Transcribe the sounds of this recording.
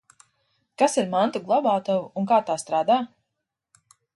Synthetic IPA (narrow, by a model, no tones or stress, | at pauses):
kasiɾmant̪uɡlˠɔbaːt̪ɔwuŋkaːt̪aːst̪ɾaːd̪aː